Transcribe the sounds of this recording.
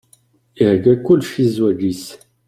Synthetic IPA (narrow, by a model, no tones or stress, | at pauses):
ihɡækːulʃizwæd͡ʒis